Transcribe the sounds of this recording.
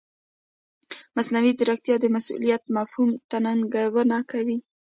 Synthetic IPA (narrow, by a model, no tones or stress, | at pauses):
masnawid̪aɾak̚t̪jɑd̪əmasṵlijat̪mafhumt̪anaŋɡawənakawi